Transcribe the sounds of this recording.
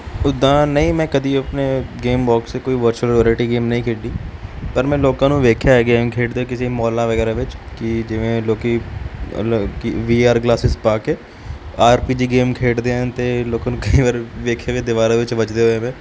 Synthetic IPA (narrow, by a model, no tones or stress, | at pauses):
ʊd̪ãːnəĩːmɛ̃ːkəd̪iːəpneːɡeːmbɔːkseːkoːiːʋəɾt͡ʃəlɾɪəːɾlɪʈiːɡeːmnəĩːkʰeːɖiːpəɾmɛ̃ːloːkãːnũːʋeːkʰjaːɡeːmkʰeːʈd̪eːkɪsemɔːlãːʋəɡɛːɾaːʋɪt͡ʃkɪd͡ʒɪʋẽːloːkḭːlkiʋiːaːɾɡlaːsɪspaːkeː | aːɾpiːd͡ʒiːɡeːmkʰeːʈd̪eːənt̪eːloːkãːnũːkəiːʋaːɾʋeːkʰjaːʋẽːd̪ɪʋaːɾaːʋɪt͡ʃʋət͡ʃd̪eːɦoːeːʋẽː